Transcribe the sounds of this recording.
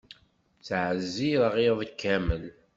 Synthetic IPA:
t͡sʕəzːiɾəʁiðˤəkːæməl

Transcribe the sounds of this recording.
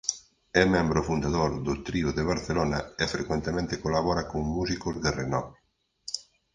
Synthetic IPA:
ɛmẽmbɾʊfund̪aðoɾðʊt̪ɾiʊðeβ̞aɾθelonɐɪfɾekwent̪emẽnt̪ekolaβɔɾɐkoŋmusikʊzðerenɔ

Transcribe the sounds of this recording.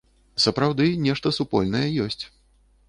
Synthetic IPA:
sɐpɾawd̪ɨnʲɛʂt̪ɐsupɔ̰lʲnɐjɛjɔsʲt͡sʲ

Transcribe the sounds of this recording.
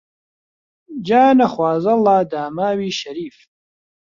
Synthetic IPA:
d͡ʒaːnɐxwaːzɐlˠaːd̪aːmaːwiːʃɐɾiːf

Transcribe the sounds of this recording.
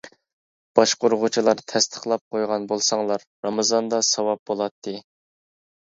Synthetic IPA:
b̥ɑʃqoɾʁʊt͡ʃʰilˠɑɾt̪ʰɛst̪ʰə̥χlˠɑp̚qʰojʁɑnbolˠsɑŋlˠɑɾːɑmɨzɑnd̪ɑsɑwɑp̚bolˠɑt̪ʰːɨ

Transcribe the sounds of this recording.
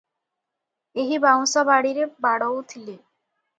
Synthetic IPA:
eɦibawsɔbaɽiɾebaɽɔwt̪ʰili

